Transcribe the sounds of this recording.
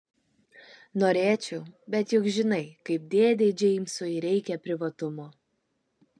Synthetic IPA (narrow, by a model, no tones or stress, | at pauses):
noːɾʲeːt͡ʃʲɛʊbʲɛt̪jʊkʒʲɪnɐɪkɐɪp̚d̪ʲeːd̪ʲɛɪd͡ʒʲɛɪmsʊɪɾʲɛɪkʲɛpʲɾʲɪʋɐt̪ʊmoː